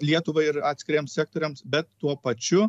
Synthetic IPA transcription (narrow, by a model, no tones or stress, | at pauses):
lʲiɛt̪ʊʋɐɪɾɑːt̪ʲsʲkʲɪɾʲiɛmssʲæːk̚t̪oːɾʲɛmsbʲɛt̪ːuɔpɐt͡ʃʲʊ